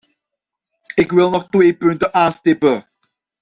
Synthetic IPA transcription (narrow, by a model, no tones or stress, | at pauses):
ɪkwɪlˠnɔχtweːpʏntəʔaːnstɪpə